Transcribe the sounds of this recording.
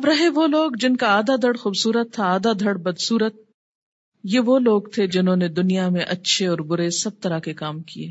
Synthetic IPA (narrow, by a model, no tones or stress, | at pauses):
ɐbɾɐɦeʋoloːɡd͡ʒɪnkaaːd̪ad̪ʱɐɽxuːbsuːɾət̪ʰːaaːd̪ad̪ʱɐɽbɐd̪suːɾət̪̚ | jeʋoloːɡt̪ʰed͡ʒɪnɦõned̪ʊnijamẽʔɐtːʃʰeɔːɾbʊɾesɐb̚t̪ɐɾakekaːmkiḛː